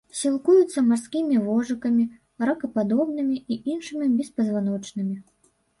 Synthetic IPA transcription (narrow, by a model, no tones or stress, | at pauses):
sʲilˠkujut̪sːɐmarskʲimʲivɔʐɨkɐmʲi | ɾɐkɐpad̪ɔbnɨmʲiiinʂɨmʲibʲɛspɐzvan̪ɔt͡ʂnɨmʲi